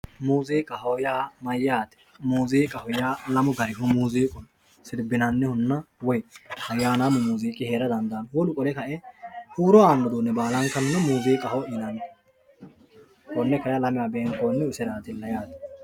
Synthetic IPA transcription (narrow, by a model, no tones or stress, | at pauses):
muːziːkʼɐhɔjaːmɐjːaːt̪ɛ̥ | muːziːkʼɐhɔjaːlɐmʊɡɐɾɪɦɔmuːziːkʼʊn | sɪɾbɪnɐnːɛhʊnːɐwɔjɐjːaːnaːmʊmuːziːkʼɪheːɾɐd̪ɐnd̪ɐːnwɔlʊkʼɔlɛkɐʔɛhuːɾɔaːnːɔd̪uːnːɛbaːlɐŋkɐnnɛmuːziːkʼɐhɔʔɪnɐn | hɔnːɛkɐjalɐmɪjaːbeːŋkoːnːɛʊsɛɾaːt̪ɪlːɐjaːt̪ɛ̥